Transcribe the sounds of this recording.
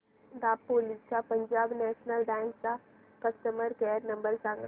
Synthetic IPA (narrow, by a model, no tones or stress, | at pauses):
d̪aːpːoːlɪst͡ʃapə̃ɲd͡ʒaːbnɛːʃnəlɖɛ̃ːŋksa | kəst̪əməɾkeːɾnɐ̃mbəɾsãːŋ